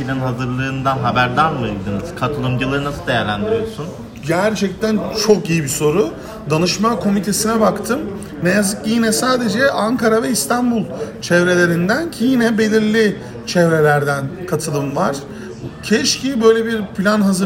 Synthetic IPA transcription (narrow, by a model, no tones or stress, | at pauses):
pilʲanɦazɯɾlˠɯːnd̪aɦabæɾd̪anˠmajɯld̪ɯnɯz̥kʰat̪ʰɯlˠɯmd͡ʒɯlˠaɾɯnasɯd̪ejæɾlʲænd̪iɾijo̞sun | ɟæɾt͡ʃʰɛc̚t̪ʰænt͡ʃʰo̞kijibiso̞ɾu | d̪anɯʃmakʰo̞mit̪ʰe̞sinɛbakt̪ʰɯmː | ejazɯkijinɛsaːd̪e̞d͡ʒɛʔaŋkʰaɾavɛist̪ʰanbulˠt͡ʃʰɛvɾe̞lʲe̞ɾind̪æncʰijinɛbe̞lʲiɾlʲi | t͡ʃʰɛvɾe̞lʲæɾd̪ænkʰat̪ʰɯlˠɯmvaɾ̥ | cʰɛʃcʰibø̞jlʲebiɾpʰlʲanɦazɯ